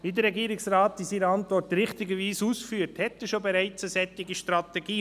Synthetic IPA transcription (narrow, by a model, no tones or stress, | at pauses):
ʋiːdəɾɛɡiːɾɪksraːtːisiːɾəɑntʋɔrtɾɪχtɪɡəʋiːsuːsfyːəɾthɛt̪ːəʃobɛɾaɪt͡səsɛt̪ːɪɡiʃtɾɑt̪ɛɡiː